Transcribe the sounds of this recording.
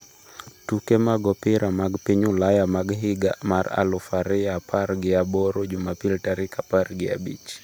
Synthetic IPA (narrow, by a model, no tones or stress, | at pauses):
tukɛmaɡɔpɪɾamaɡpiɲulajamaɡɦɪɡamaɾa̰lufaɾɪjapaɾɡɪabɔɾod͡ʒumapiltaɾɪkapaɾɡɪa̰bḭt͡ʃ